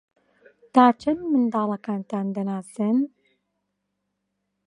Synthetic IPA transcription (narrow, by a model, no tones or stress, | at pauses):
t̪aːt͡ʃʰɐnmɨnd̪ɑːlˠɐkaːnt̪aːnd̪ɐnaːsɨn